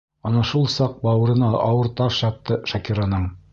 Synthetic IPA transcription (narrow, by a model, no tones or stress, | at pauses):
ɑnɑʃulˠsɑq̚bɑwɤ̆ɾɤ̆nɑɑwɤɾt̪ɑʃjɑt̚t̪ːɤʃɑkiɾanɤɴ